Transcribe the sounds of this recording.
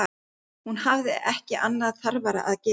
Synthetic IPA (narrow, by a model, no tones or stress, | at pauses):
hunɦavðɪʔɛhcɪʔanːaðθaɾvaɾa̰ʔaðce